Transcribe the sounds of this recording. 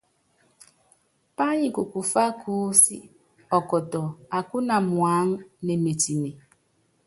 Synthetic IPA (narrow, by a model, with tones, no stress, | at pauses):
pa˦ɲĩ˨ku˨ku˨fa˦kʰuː˦sḭ˦ | ɔ˨kɔ˨tɔ˨a˨ku˦na˨mwa˨˦ŋ˦ne˨me˨ti˨ne˨